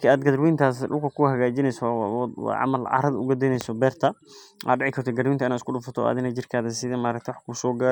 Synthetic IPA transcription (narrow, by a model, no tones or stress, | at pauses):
lkʰɛːaːd̪ɡɐðɾwiːnt̪ʰaːsɗʊlkʰɐkʰʊhɐɣaːd͡ʒɪnɛjsɔw̰ʕɑ̰mɐlʕɑ̰ːɾɐðɐʊ̰ɣɐd̪ɛnɛjsɔbɛːrt̪ʰɐʔa̰d̪ɖɪʕɪkʰɐrt̪ʰɔɡɐɾwiːnt̪ɐɪnaːd̪skʰʊɗʊfɐt̪ʰɔ̰a̰ːd̪ɪnɐd͡ʒɪrkʰaːðɛsɪðɐmaːɾɐk̚t̪ʰwħkʰusɔːɡa